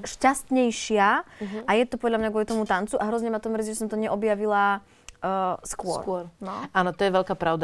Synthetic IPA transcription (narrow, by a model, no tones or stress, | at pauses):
ʃcast̪ɲɛjʃɪaajɛt̪ɔpɔd̪ʎamɲaɡʊɔlit̪ɔmut̪ant͡suʔaɦɾɔzɲɛmat̪ɔmɾzʒɛs̬ɔmt̪ɔɲɛʔɔbjaʋila | skʊɔ̰ɾɔɾnɔaːnɔt̪ɔjɛʋɛʎkaːpɾaʊd̪a